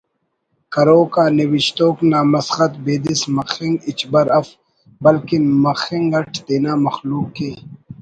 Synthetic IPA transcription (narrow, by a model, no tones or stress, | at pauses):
kɐɾoːkaːniwiɕt̪oːknaːmɐsxɐt̪̚beːd̪ismɐxiŋɡit͡ɕbɐɾɐf | bɐlkimɐxiŋɡɐʈʰd̪eːnaːmɐxluːkːeː